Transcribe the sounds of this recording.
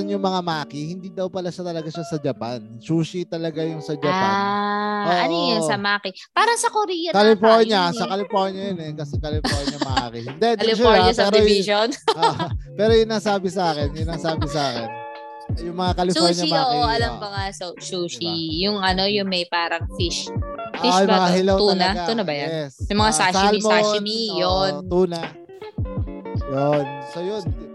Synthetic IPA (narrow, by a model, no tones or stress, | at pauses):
ɐnjʊŋmɐŋamaːkihɪnd̪iːd̪ɐwpɐlaʃat̪ɐlɐɡaʃasɐd͡ʒɐpansuːʃit̪ɐlɐɡajʊŋsɐd͡ʒɐpanʔoːɐnʔojɐŋsɐmaːkɪ | paːɾɐsɐkoɾiːjɐkɐlɪfoɲɐsɐkɐlɪpohɲɐjɐnɛkɐsɛkɐlɪpohɲɐmɐʔa̰ːkɪnd̪ɛd̪ɪɪʃuaɐɛːɾɪjʃonoʔpɛːɾojʊnɐsaːbɪsɐaːkɛnjʊnɐsaːbɪsɐaːkɛn | jʊŋmɐŋakɐlɪsaɲɐmɐʔaoʔiɐlɐmbɐŋasosuːʃijʊŋʔɐno̞jʊŋmɐjpaːɾɐŋfiʃʔoiʔjʊmɐŋaɦɪlow̪uːnaat̪uːnɐbɐjɐɛsjʊmɐŋasasalmonijot̪uːna | jonsojon